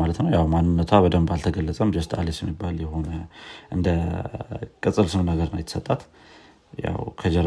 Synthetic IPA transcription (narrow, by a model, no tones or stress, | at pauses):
malət̪nəwjawmanːɨnːət̪ʰwabəd̪əmbalt̪ʰəɡəlːət͡sʼəmd͡ʒəst̪ʼalesjɛmːibːaljɛho̞nəʔɨnd̪ə | kʼɨsʼɨlsɨmnəɡəɾnajt̪ːsət̪ʼːat̪ | ja̰wkʰəd͡ʒəɾ